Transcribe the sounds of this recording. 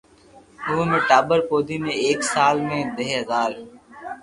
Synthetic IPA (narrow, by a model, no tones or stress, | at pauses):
ʊːmẽːʈaːbəɾpoːd̪ʱiːmẽːeːksaːlmẽːd̪eɦɦəzaːl